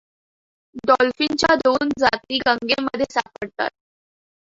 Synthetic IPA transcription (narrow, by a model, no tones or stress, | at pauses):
d̪ɔlfint͡ɕjad̪ond͡zat̪iːɡəŋɡeməd̪ʱːjesapəɽt̪a̰t̪̚